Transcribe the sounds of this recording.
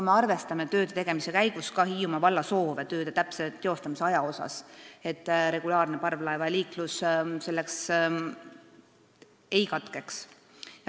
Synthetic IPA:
kume̞ɑrve̞st̪ɑme̞t̪ø̞ːd̪̥et̪e̞ɡ̥e̞misekæjɡ̥uskɑɦiːumɑvɑlːɑso̞ːvet̪ø̞ːd̪e̞t̪æpset̪ːeo̞st̪ɑmise̞ɑjɑo̞sɑ̰se̞t̪ːˑɾe̞ɡ̥ulɑːrne̞pɑrvlɑevɑliːklusse̞lːe̞ks | e̞jkɑt̪ˑke̞ks | jɑ

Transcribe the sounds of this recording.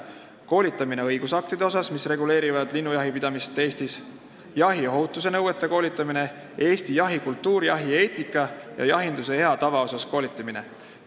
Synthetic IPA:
ko̞ːlʲit̪ːˑɑmine̞ɤjɡ̥usɑk̚t̪id̪eo̞sɑsmisre̞ɡule̞ːɾivɑd̪̥linːujɑɦipid̪ɑmist̪ːe̞ːst̪is | jɑɦio̞ɦut̪ːˑuse̞nɤwe̞t̪ːˑeko̞ːlʲit̪ˑːɑmine̞ | e̞ːst̪ijɑɦikult̪ːuːɾjɑɦie̞ːt̪ˑikːˑɑjɑ̰jɑɦind̪̥use̞e̞ɑt̪ɑvɑo̞sɑsko̞ːlit̪ːˑɑmine̞̰

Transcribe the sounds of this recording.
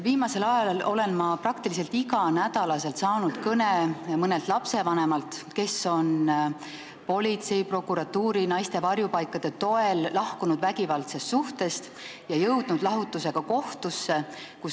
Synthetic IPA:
viːmɑse̞lɑjɑlɑlo̞le̞nmɑprɑkt̪ilis̬e̞lt̪iɡɑnæd̪̥ɑlɑse̞lt̪sɑːnut̪kɤnemɤne̞lt̪ˑlɑpse̞vɑne̞mɑlt̪ke̞so̞n | po̞lʲit̪se̞jpro̞kːˑuɾɑt̪ːuːɾinɑjst̪e̞vɑrjupɑjkːˑɑd̪̥e̞t̪o̞e̞llɑhkunud̪væɡivɑlt̪se̞st̪suht̪e̞st̪ | jɑjɤwd̪̥nud̪̥lɑɦut̪ːuse̞ɡ̥ɑko̞ht̪usːe̞ | kus

